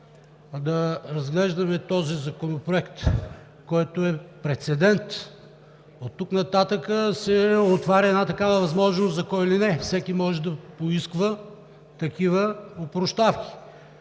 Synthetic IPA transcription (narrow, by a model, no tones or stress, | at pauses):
d̪ɐɾɐzɡlɛʒd̪ɐmɛt̪ɔzizɐkonopɾoɛkt̪ | kːɔjt̪oɛpɾɛt̪sɛd̪ɛnt̪ | ot̪ːuknɐt̪at̪əkəsɛot̪vaɾʲɐɛd̪nat̪ɐkavəvɐzmɔʒnoszɐkɔjilinɛfsɛkimɔʒɛd̪ɐpoiskvə | t̪ɐkivəopɾoʃt̪afkʲi̥